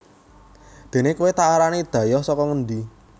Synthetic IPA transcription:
d̪̥e̤nekuwet̪aaɾanid̪̥ä̤jɔhsɔkɔŋənd̪i

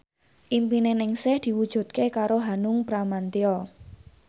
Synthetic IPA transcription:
ʔimpinenɪŋsɪhd̪̥i̤wud̥ʒ̥ṳd̪̚kekaɾoɦanʊŋpɾamant̪eɔ

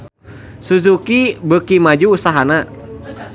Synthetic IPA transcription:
suzukibəkimad͡ʒuːsaɦana

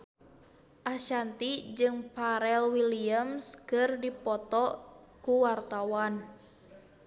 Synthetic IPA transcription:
ʔaʃant̪id͡ʒɨŋpaɾɛlwiliamskɨrdipɔt̪ɔkuwart̪awan

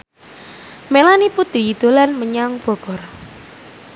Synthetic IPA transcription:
melaniput̪i̤id̪̥o̤lanməɲaŋb̥ɔ̤ɡ̥ɔ̤r

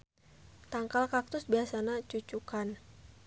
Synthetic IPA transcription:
t̪aŋkalkak̚t̪ʊsbiasanat͡ʃut͡ʃukan

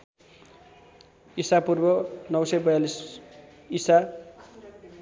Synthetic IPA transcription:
isapurbʌnʌwsʌjbʌjalis | isa

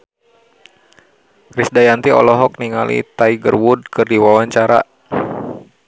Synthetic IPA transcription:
risdajant̪iɔ̰lɔɦɔk̚niŋalḭt̪aiɡərwud̚kɨrdiwawaɲt͡ʃaɾa̰

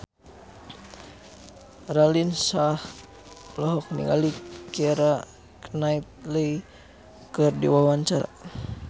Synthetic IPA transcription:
ralinsah | lɔɦɔk̚nḭŋɡa̰likɛɾa | knait̪̚ləi | kɨrdḭwawaɲt͡ʃaɾa̰

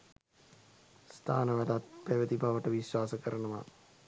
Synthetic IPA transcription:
st̪ʰaːnəʋæd̪at̪̚pæʋəd̪ibʱaʋəʈəʋisʋaːsəkəɾənəʋa̰

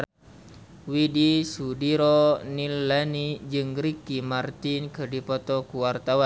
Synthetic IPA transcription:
widisudiɾɔnilːanid͡ʒɨŋɾikimart̪inkɨrdipɔt̪ɔkuwart̪awa

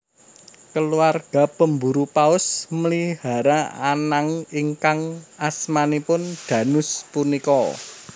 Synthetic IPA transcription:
kəluarɡ̥a̤pəmbuɾupaʊsməliha̤ɾaanaŋiŋkaŋasmanipʊnd̪̥ä̤nʊspunikɔ

